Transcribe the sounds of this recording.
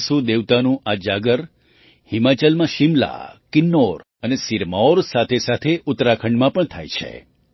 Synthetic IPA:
sud̪eʋt̪anũʔad͡ʒaɡəɾ | hɪmat͡ʃəlmãʃɪmla̰kɪnːoɾ | ənesiɾmaoɾsat̪ʰesat̪ʰeʔʊt̪ɾakʰəɳɖmãpəɳt̪ʰa̰jt͡ʃʰḛ

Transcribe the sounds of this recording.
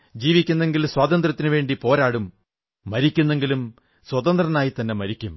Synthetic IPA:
d͡ʑiːʋikʲːunːe̞ŋɡilswaːt̪ɐnd̪rɐt̪ːinuʋe̞ːɳɖipo̞ːɾaːɽumː | ɐɾikʲːunːe̞ŋɡilum | swɐt̪ɐnd̪rɐnaːjit̪ɐnːe̞mɐɾikʲːum

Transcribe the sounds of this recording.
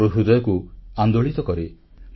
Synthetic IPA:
ɾuɦud̪ɔjɔkuand̪oɭit̪ɔkɔɾi

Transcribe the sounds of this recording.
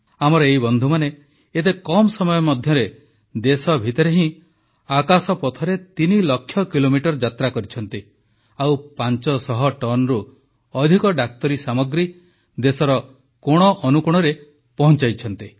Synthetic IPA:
amɔɾɔeɦibɔnd̪ʱumane | et̪̬ekɔmɔsɔmɔjɔmɔd̪ʱjɔɾe | d̪esɔbʱit̪ɔɾeɦĩ | akasɔpɔt̪ʰɔɾet̪inilɔkʰːjɔkilomiʈɔɾd͡ʒat̪ɾakɔɾit͡ʃʰɔnt̪i | awpant͡ʃɔsɔɦɔʈɔnɾu | ɔd̪ʱikɔɖak̚t̪ɔɾisamɔɡɾi | d̪esɔɾɔ | koɽ̃ɔʔɔnukuɽ̃ɔɾe | pɔɦɔnt͡ʃajt͡ʃʰɔnt̪i

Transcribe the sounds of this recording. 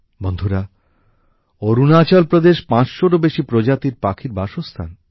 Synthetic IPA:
bond̪ʱuɾa | oɾunat͡ɕalpɾod̪eʃpãt͡ɕʃoɾobeʃipɾod͡ʑat̪iɾpakʰiɾbaʃost̪ʰa̰n

